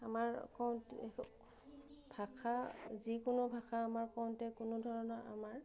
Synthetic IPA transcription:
amaɹkaw̃nt | b̥ʱakʰazikʊnʊbʱaxʰaːmaɹkaw̃ntɛkʊnʊdʱɔɹɔnɔʔa̰maɹ

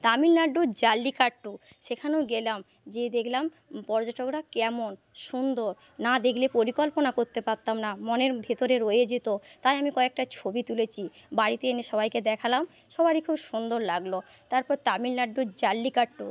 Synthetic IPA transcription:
t̪amilnaɖːod͡ʑalːikaʈːuʃekʰaneoɡelam | d͡ʑed̪ekʰlampɔɾd͡ʑaʈokɾakɛmon | ʃund̪oɾnad̪ekʰlepoɾikolponakoɾt̪epaɾt̪amnamoneɾbʱet̪oɾeɾojed͡ʑet̪ot̪ajamikɔek̚ʈat͡ɕʰobit̪ulet͡ɕʰibaɽit̪eeneʃɔbajked̪ɛkʰalam | ʃɔbaɾikʰubʃund̪oɾlaɡlo | t̪aɾpɔɾt̪amilnaɖːod͡ʑalːikaʈːu

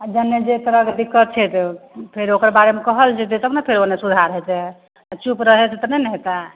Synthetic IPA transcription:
ad͡ʒənːed͡ʒet̪əɾəkd̪ikːət̪̚t͡ʃʰɛt̪pʰeɾokəɾbaɾemekəɦəlt͡ʃʰɛt̪esəbnɛpʰeɾonesud̪ʱaɾɦɛt͡ʃʰɛ | at͡ʃupɾəɦɛt͡ʃʰɛt̪ənɛnɛɦt̪a

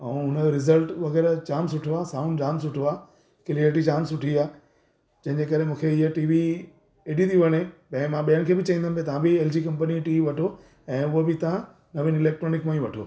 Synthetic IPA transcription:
ɛ̃ʊnəɾɪzəlʈʋɐɣɛːɾt͡ɕaːmsʊʈʰoaːsaːʊ̃nd͡ʑaːmsʊʈʰoaː | kɪliəɾʈ̬id͡ʑaːmsʊʈʰiaː | d͡ʑɐ̃ɦɪ̃ɲd͡ʑekɐɾemũːkʰeɪɦəʈiːʋi | eɗit̪ʰiʋɐɽ̃epɐ̃ɦɪ̃mãɓijənɪ̆kʰeːbɪt͡ɕɐ̃ĩnd̪ənɪpʰet̪ɐʋãbɪeːld͡ʑiːkɐ̃mpəniʈiːʋiʋɐʈʰo | ɛ̃ːʊɦobɪt̪ɐʋã | nɐʋĩnɪleːk̚ʈɾoːnɪkmãːĩʋɐʈʰo̰ː

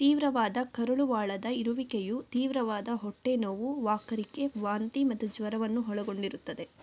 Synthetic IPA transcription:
t̪iːʋɾɐʋaːd̪ɐkɐɾuɭuʋaːɭɐd̪ɐiɾuʋikejut̪iːʋɾɐʋaːd̪ɐɦɔʈːenoʋuʋaːkɐɾike̞ʋaːnt̪imɐt̪ud͡ʒʋɐɾɐʋɐnːuɦɔɭɐɡo̞ɳɖiɾut̪ːɐd̪e̞

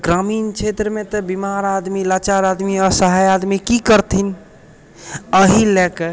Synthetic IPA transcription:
ɡɾamint͡ʃʰet̪ɾəmet̪ɔbimaɾad̪milat͡ʃaɾad̪miɔɾsəɦajad̪mikikəɾt̪ʰin | əɦilɛke

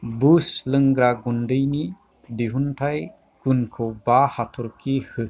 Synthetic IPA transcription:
buslɯŋɡɾaɡundɯjni | diɦuntʰaj | ɡ̥unkʰɔbahatʰɔɾkihɯ

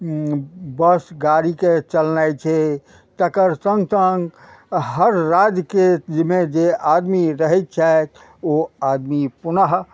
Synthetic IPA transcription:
bəsɡaɾiket͡ʃəlnajt͡ʃʰɛ | t̪əkəɾsə̃ŋɡsəŋɡ | ɦəɾːad͡ʒked͡ʒmed͡ʒeʔad̪miɾəɦɛt̪̚t͡ʃʰat̪ | oad̪mipunəɦ

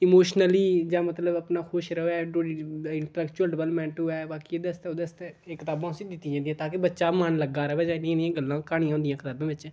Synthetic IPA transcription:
ɪmoːʃnəliːd͡ʒãːmət̪ləbəpnaːxʰoːʃɾəɦoɛːɖoɽiɪɳʈəlɛːkt͡ʃuəlɖəʋəlmɛ̃ːɳʈɦʊɛːbaːkieːd̪əst̪ɛoːd̪əst̪ɛeːkɪt̪aːbãːsiːd̪ɪt̪ːĩːd͡ʒãːd̪ijãːt̪aːkebətːʃaːmənləɡaːɾəʋɛːd͡ʒãːnd̪ijãnijãːɡəlːãːkaːɽĩjãːõːnd̪ijãːkʰɪt̪aːbãːbɪt͡ʃɛ̃ː

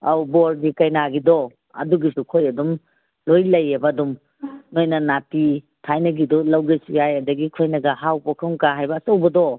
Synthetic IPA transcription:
ɐwbɔɾɡikɐjnaɡidɔ | ɐ̰duɡisukʰojɐdum | lojlɐjːebɐːdum | nojnɐnati | tʰajnɐɡidɔlɐwɡesujajɐdɐɡikʰojnɐɡɐhawpɐkʰɐŋkaɦajbɐːsɐwbɐdɔ

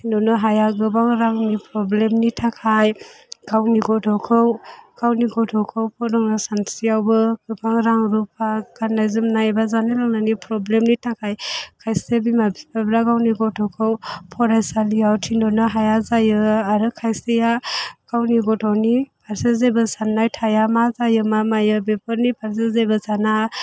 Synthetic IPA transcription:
tʰindɔnɯɦajaɡɯbaŋɾaŋnipɾɔblemnitʰakʰaj | ɡ̥awniɡɔtʰɔkʰɯwɡ̥awniɡɔtʰɔkʰɯwpʰɔdɔŋnasansijawbɯɡ̥ɯbʰaŋɾaŋɾupʰaɡanajzɯmnabazanɯlaŋnanipɾɔblemnitʰakʰajkʰajsebimabipʰabɾaɡawniɡɔtʰɔkʰɯwpʰɔɾajsalijawtʰindɔnaɦajazajɯaɾɯkʰajsejaɡ̥awniɡɔtʰɔwnipʰaɾsezebɯsanːajtʰajamazajɯmamajɯbepɯɾnipʰaɾs̬ezejbɯsana

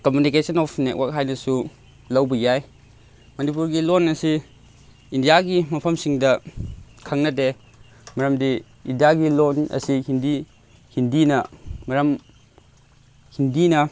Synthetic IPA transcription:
komjunikesɐnɔpʰnek̚wak̚ɦajnɐsu | lɐwbɐjaj | mɐnip̬uɾɡilonɐsi | indijaɡimɐpʰɐmsiŋdɐ | kʰaŋnɐde | mɐɾɐmdi | indijaɡilonɐ̰sihindi | hindinɐmɐɾɐm | hindinɐ

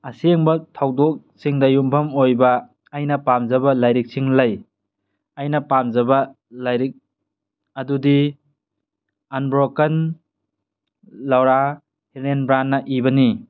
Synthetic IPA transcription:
ɐseŋbɐtʰawdok̚siŋdɐjumpʰɐmojbɐː | jnɐpamzɐbɐlajɾik̚siŋlɐj | ɐjnɐpamzɐbɐ | lajɾik̚ | ɐdudi | anbɾokɐn | lɐwɾa | helenbɾanːɐʔibɐni

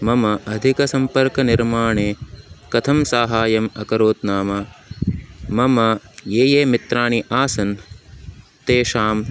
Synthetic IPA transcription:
mɐmɐʔɐd̪ʱikɐsɐmpɐɾkɐniɾmaːɳeːkɐt̪ʰɐmsaːɦaːjɐmɐkɐɾoːt̪naːmɐ | mɐmɐjeːjeːmit̪ɾaːɳiʔaːsɐn | t̪eːʃaːm

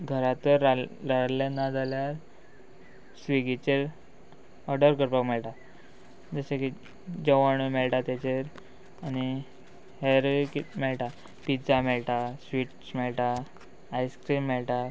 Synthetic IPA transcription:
ɡʱəɾãt̪əɾaɾalanad͡zʱaljaɾ | sʋiɡit͡ɕeɾ | ɔɾɖəɾkəɾpakmɛɭʈ̪a | d͡zəsaki | d͡ʑəʋaɳəmɛɭʈat̪jat͡ɕeɾ | ani | heɾkimɛɭʈa | pid͡zamɛɭʈ̪asʋiʈsmɛɭʈaː | jskɾiːmːɛɭʈa

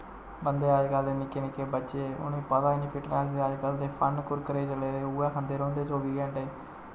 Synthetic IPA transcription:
bənd̪eːaːd͡ʒkaːld̪eːnɪkːeːnɪkːeːbətːʃeʊ̰niːpət̪ãːɪniːpʰɪʈnaːd͡ʒd̪eːaːd͡ʒkəld̪eːpʰənkʊɾkəɾeːt͡ʃəleːd̪eːuːɛ̃ːkʰənd̪eːɾõːnd̪eːt͡ʃoːbiːɡɛ̃ɳʈeː

